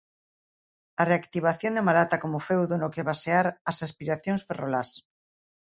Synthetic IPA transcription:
ɐreakt̪iβ̞aθjond̪emaɾat̪akomofewðonokeβaseaɾasaspiɾaθjoŋsferolas

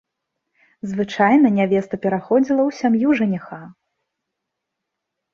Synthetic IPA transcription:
zvɨt͡ʂajnɐnʲavʲɛst̪ɐpʲɛɾaxɔd͡zʲilˠɐwsʲamjuʐɨnʲɛxa

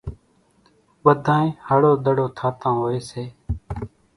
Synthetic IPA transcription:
ɓəd̪ʱãːẽːhaːɽoːd̪əɽoːt̪ʰaːt̪ãːɦoːeːseː

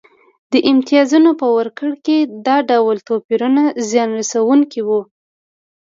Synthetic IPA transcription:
d̪̥əʔɪmt̪ijɑzunopəwəɾkəɽked̪ɑɖawlt̪opiɾunazjɑnɾasawuŋkiwu

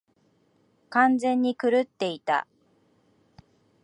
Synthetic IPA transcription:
kãnd͡zẽ̞ɲ̟ːikɯ̟ɾɯt̪ːe̞it̪a̰

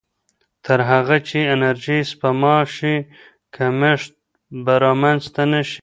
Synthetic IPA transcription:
t̪ʰəɾɦaɣat͡ʃeɪnaɾʒispamɑʃi | kʰameʂt̪̚ | baɾɑmanzt̪anaʃi̥

